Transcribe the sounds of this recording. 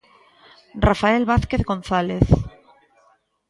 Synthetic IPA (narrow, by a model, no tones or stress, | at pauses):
rafaelβaθkeθɣo̞n̟θaleθ